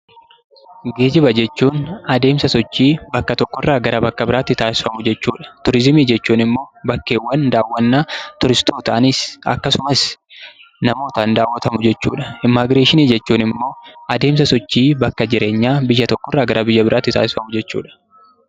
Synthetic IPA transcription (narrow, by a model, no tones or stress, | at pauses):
ɡe̞ːd͡ʒɪbɐd͡ʒɛt͡ʃːuːnɐd̪e̞ːmsɐsɔt͡ʃːiːbɐkːɐt̪ɔkːɔrːaːɡɐɾɐbɐkːɐbɪɾaːt̪ːɪt̪aːsɪ̥fɐmʊd͡ʒɛt͡ʃːuːᶑɐ̥t̪ʊɾɪzɪmiːd͡ʒɛt͡ʃːuːnɪmːo̞ːbɐkːe̞ːwːɐnd̪aːwːɐnːaːt̪ʊɾɪst̪oːt̪ɐʔɐniːsɐ̰kːɐsʊmɐs | nɐmo̞ːt̪ɐnd̪aːwːɐt̪ɐmʊd͡ʒɛt͡ʃːṵːᶑɐ̥ɪmːaːɡɾeːʃɪniːd͡ʒɛt͡ʃːuːnɪmːo̞ːʔɐd̪e̞ːmsɐsɔt͡ʃːiːbɐkːɐd͡ʒɪɾe̞ːɲːaːbɪjːɐt̪ɔkːɔrːaːɡɐɾɐbɪjːɐbɪɾaːt̪ːɪt̪aːsɪ̥fɐmʊd͡ʒɛt͡ʃːṵːᶑɐ̥